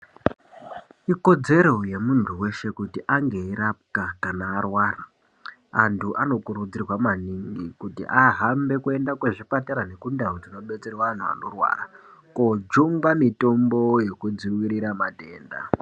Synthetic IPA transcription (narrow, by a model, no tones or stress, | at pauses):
iko̞d͡ze̞ɾo̞jemuntʰuwe̞ʃe̞kutiʔaŋɡe̞iɾap̚kakanaːrwaːra | antʰuʔano̞kuɾud͡zirwamaniŋɡikutḭʔaɦambe̞kue̞ndakweʐipataɾane̞kundaod͡zino̞ɓe̞t͡serwaan̤ua̰no̞rwa̰ːrakod͡ʒuŋɡamito̞mbo̞je̞kud͡ziwiɾiɾamade̞ːnda̰